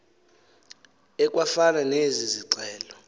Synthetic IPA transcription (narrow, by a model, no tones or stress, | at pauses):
ɛk̬ʼwafananeziziǀɛːlɔ